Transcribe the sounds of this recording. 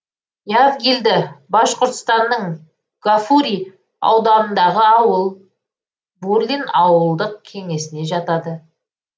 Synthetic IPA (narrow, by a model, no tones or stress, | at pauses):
jɑvɡʲild̪ɪbɑʃqʊɾt̪əst̪ɑnːəɴ | ɡ̥afuɾij | ɑ̰wd̪ɑnənd̪ɑʁəɑwəlˠ | burlinɑwəlˠd̪əq̚kʲʰe̞ŋe̞sɪne̞ʒɑt̪ɑd̪ə